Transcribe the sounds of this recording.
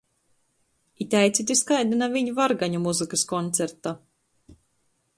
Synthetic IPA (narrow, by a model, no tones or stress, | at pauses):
it̪ʲajt̪sit̪̬ʲiskajd̪inaviɲuvaɾɡaɲumuzɨkɨskɔnt̪sʲeɾt̪a